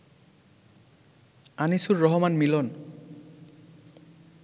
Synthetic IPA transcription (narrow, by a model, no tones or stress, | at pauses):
anisuɹːɔɦɔmanmilɔn